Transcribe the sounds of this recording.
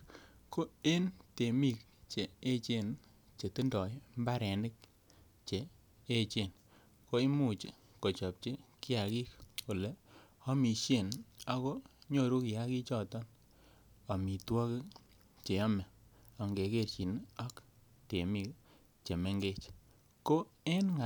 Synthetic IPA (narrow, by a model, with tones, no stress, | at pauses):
ko˦e˦nte˨mi˦˨k̚ | t͡ʃeː˨˦t͡ʃe˦˨n | t͡ʃe˨tɨ˦ndɔ˨jmba˦ɾɛ˨nɪ˦k̚ | t͡ʃeː˨˦ | t͡ʃe˦˨n | ko˦i˦mu˦t͡ʃi˦ | ko˨t͡ʃɔ˨p̚t͡ʃe˦ki˦a˨ki˦kku˨le˨ɔ˦mi˨ʃje˦˨na˦kɔ˦ɲo˦˨ɾu˦ki˨a˦ki˦t͡ʃɔ˦˨tɔ˦n | ɔ˨mi˨twɔ˦kɪ˦ | t͡ʃe˨jɔ˦mɛ˨ɔ˨ŋɡe˨ke˦ɾt͡ʃi˨nɔ˦k | te˨mi˦k̚ | t͡ʃe˨me˦ŋɡe˦t͡ʃ | ko˦e˦nŋa˨